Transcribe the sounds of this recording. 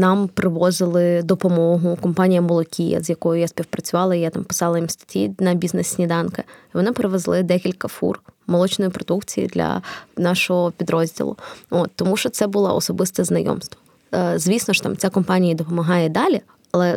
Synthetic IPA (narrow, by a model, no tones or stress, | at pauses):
nɑmpɾɪʋɔzɪlˠɪd̪ɔpɔmɔɦʊkɔmpɑnʲijɐmɔlˠɔkʲijɐ̰zjɐkɔjʊjasʲpʲiwpɾɐt͡sʲʊʋɑlˠɐijat̪ɑmpɪ̥sɑlˠɐjimst̪ɐ̥tʲḭnɐbʲiznɛsːʲnʲid̪ɑnkɐiʋɔnɪpɾɪʋezlˠɪd̪ɛkʲilʲkɐfṵrmɔlˠɔt͡ʃnɔjʊpɾɔd̪ukt͡sʲijḭd̪lʲɐ̰nɑʃɔɦɔpʲid̪ɾɔzʲdʲḭlˠʊ̰ot̪tːɔmuʃt͡ʃɔt̪sɛbulˠɔ̰ɔ̰sɔbɪst̪ɛznɐjɔ̰mst̪ʋɔ̥ | zʲʋʲisnɔʃt̪ɑ̰mt͡sʲakɔmpɑnʲijɐd̪ɔpɔmɐɦɑjɛd̪ɑlʲi | ɐlˠɛ